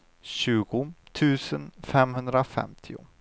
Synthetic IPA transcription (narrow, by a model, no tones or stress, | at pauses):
ɕʉ̟ːɡʊt̪ʰʉ̟ːsənfɛmhɵnd̪ɾafɛ̰mt̪ʰɪʊ̰